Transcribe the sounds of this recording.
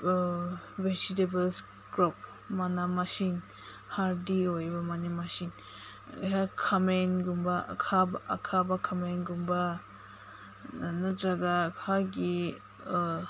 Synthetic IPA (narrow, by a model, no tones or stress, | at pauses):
wed͡ʒitebəls | ɡɾɔp̚ | manamasin | haɾdiojbamanimasin̰ | ɦakʰamenɡumba̰kʰabːkʰabakʰamenɡumba | nɯɾaɡakʰaɡi